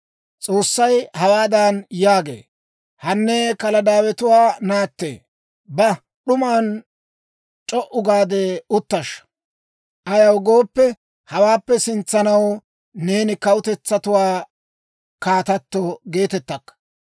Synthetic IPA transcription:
t͡sʼo̞ːsːɐjhɐwaːd̪anjaːɡḛː | hɐnːɛkɐlɐd̪aːwɛt̪ʊwaːnaːt̪ːḛː | bɐ | ɗʊmaːn | t͡ʃʼɔʔʊɡaːd̪eʊt̪ːɐʃ | ʔɐjɐwɡo̞ːpːɛ | hɐwaːpːɛsɪnt͡sːɐnɐw | ne̞ːnɪkɐwʊt̪ɛt͡sːɐt̪ʊwaː | kaːt̪ɐt̪ːɔɡe̞ːt̪ɛt̪ːɐkːɐ̥

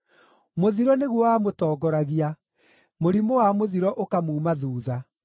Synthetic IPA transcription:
moðiɾɔneɣwɔwamotɔːɡɔɾaɣia | moɾimowamoðiɾɔʔokamuːmaðuːða

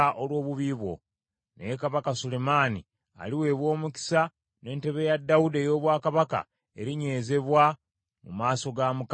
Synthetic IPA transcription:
ʔolwo̞ːβuβiβwo̞̰ | nḛjekaβakasule̞maːni | a̰liwe̞ːβwo̞ːmuki̥sa | ne̞ːnte̞βe̞jadːawude̞jo̞ːβwaːkaβaka̰ | e̞̰ɾiɲe̞ːze̞βwa | mumaːso̞ɡamuk

